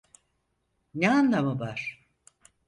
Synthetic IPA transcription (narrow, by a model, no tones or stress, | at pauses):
neanlamɯbaɾ̥